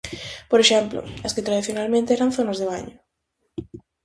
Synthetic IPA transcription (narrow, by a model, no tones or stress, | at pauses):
poɾeʃɛmplo̰askɪt̪ɾaðiθjonalmẽnt̪eɛɾanθonazðeβ̞aɲʊ